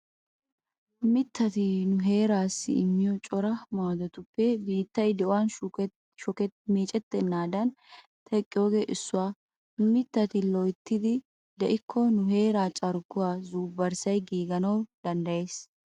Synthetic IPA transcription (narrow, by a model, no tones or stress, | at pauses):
mɪt̪ːɐt̪ɪnʊɦe̞ːɾaːsːɪ̰ɪmːɪjɔt͡ʃʼɔɾɐmaːd̪ɔt̪ʊpːɛbiːt̪ːɐjd̪ɛʔɔwan | ʃɔkɛmiːt͡ʃʼɛt̪ːɛnːaːd̪ɐn | t̪ʰɛkʼːɪjoːɡeːʔɪsːʊwaː | mɪt̪ːɐt̪ɪlɔjt̪ːɪd̪ɪ | d̪ɛʔɪkʰːɔnʊɦe̞ːɾaːt͡ʃʼɐɾɡʊwaːzuːbɐɾsɐjɡiːɡɐnɐwd̪̥ɐnd̪ɐje̞ːs